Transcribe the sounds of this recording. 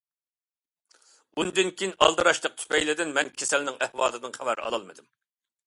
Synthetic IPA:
und̪ɨnkʲʰiinɑ̰lˠd̪ɨɾɑʃlˠəq̚t̪ʰy̥pɛjlɪd̪ɪnmɛnkʲʰesɛlnɪŋʔɛhwɑːd̪ɨd̪ɨnχævæɾɑ̰lˠɑlˠmɨd̪ɪm

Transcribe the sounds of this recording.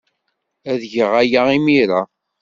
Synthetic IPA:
æðʝəʁæjaimiɾa

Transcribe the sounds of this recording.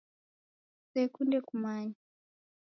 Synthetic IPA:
sɛkundɛkumaɲa

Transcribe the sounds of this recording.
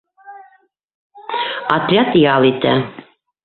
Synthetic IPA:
ɑt̪rʲat̪jɑlˠit̪æ

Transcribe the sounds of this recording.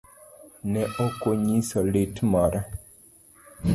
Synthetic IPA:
nɛʔokoɲisəletmaɾʔa

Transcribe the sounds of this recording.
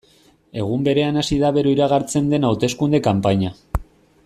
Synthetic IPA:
e̞ɣ̞umbe̞ɾe̞anasiðaβe̞ɾoiɾaɣ̞aɾt͡se̞nd̪e̞nawt̪e̞skund̪e̞kampaɲa

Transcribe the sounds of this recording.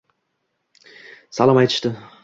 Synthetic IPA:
sɑlˠɑmɑjt̪ə̥ʃt̪ə

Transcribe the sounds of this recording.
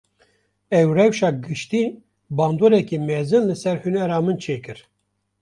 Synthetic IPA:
ɛwrɛwʃɑːɡɨʃt̪iː | bɑːnd̪oːɾɛkimɛzɨnlɨsɛɾhunɛɾɑːmɨnt͡ʃʰeːkɨɾ

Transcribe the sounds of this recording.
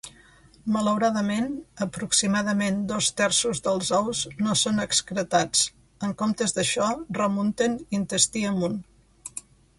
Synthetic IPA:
mələwɾaðəmenəpɾuksimaðəmend̪ɔst̪ɛɾsuzðəlˠzɔwznosonəkskɾət̪at͡s | əŋkomt̪əzðəʃɔrəmunt̪ənint̪əst̪iəmun

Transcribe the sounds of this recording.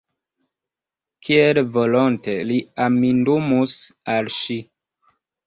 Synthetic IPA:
kʰielvolonteliamindumusalʃi

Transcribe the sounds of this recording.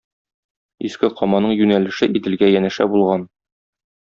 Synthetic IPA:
iskɘqʰɒmɑnɤɴjʉnælɘ̆ʃɘʔit̪ɘ̆lɡæjænɘ̆ʃæ̰bulˠʁɑn

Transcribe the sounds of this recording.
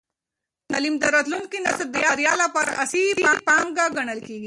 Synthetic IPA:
nɐlimd̪əɾət̪ʰlunkinɐsəd̪ijaɾjalapəɾɐ̰sipapaŋɡaɡɐɳ̃əlkiɡi

